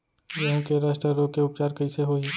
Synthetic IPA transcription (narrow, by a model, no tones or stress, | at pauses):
jɐɦũkeɾɛːsʈəɾokeʊpt͡ʃaːɾkɐiseɦoːiː